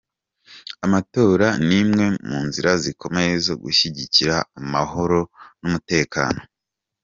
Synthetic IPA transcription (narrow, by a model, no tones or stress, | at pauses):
amato̞ːɾanimŋe̞muːnziɾazikʰo̞me̞jezo̞ɡṵʃiɟiciɾaːmaɦo̞ɾo̞numute̞ːka̰ːno̞